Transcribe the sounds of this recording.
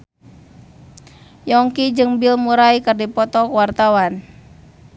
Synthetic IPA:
jɔŋkid͡ʒɨŋbilmuɾaikɨrdipɔt̪ɔkwart̪awan

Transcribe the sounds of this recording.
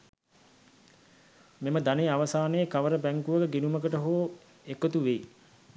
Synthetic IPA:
meməd̪aneaʋəsaːnejəkaʋəɾəbæŋkuʋəkəɡinuməkəʈəɦoː | ekət̪uʋeji

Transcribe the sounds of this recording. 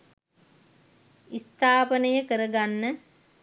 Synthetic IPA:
ist̪aːpənəjəkəɾəɡanːə

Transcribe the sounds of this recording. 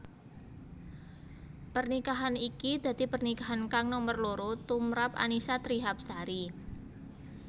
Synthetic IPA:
pərnikaɦanikid̪̥ä̤d̪̥i̤pərnikaɦankaŋnɔmərloɾot̪umɾapa̰nisat̪ɾiɦap̚saɾi

